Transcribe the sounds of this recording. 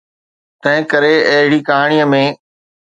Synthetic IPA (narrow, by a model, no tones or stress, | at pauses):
t̪ɐ̃ɦɪ̃kɐɾeɐɦɪɽikaːɽ̃ijəmẽː